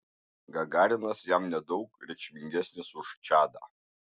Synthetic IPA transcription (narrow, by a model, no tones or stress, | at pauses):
ɡaɡaːɾʲɪnɐsjamnʲɛd̪owk̚ɾʲɛt͡ʃʲmʲɪŋʲɡʲæsʲnʲɪsuʂt͡ʃʰaːd̪a̰